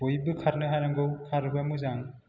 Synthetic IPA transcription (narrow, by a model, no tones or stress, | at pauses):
ojbɯkʰaɾnɯɦajɾaŋɡɯwkʰaɾbɯamɯzaŋ